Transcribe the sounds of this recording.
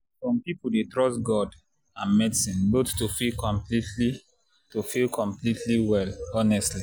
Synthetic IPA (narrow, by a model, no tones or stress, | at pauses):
sɔ̃mpipuldetɹɔstɡɔd | ãnmɛdsĩnbottofilkɔ̃mplitʰli | tofilkʰɔ̃mplitʰliwɛlɔnɛstli